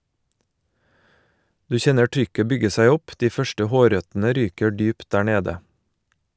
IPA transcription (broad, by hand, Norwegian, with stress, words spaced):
ˈdʉː ˈçɛnə ˈtɾʏkə ˈbʏɡə ˈsæɪ ˈɔp ˈdiː ˈfœʃʈə ˈhoːˌɾœtn̩ə ˈɾyːkə ˈdyːpt ˈɖæː ˈɳeːdə